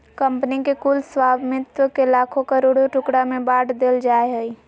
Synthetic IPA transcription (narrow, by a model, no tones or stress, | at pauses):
kəmpənikekulswaːbmɪt̪wəkelaːkʰokəɾoːɽoʈʊkɽamẽbaːʈd̪eːld͡ʒaːeɦəi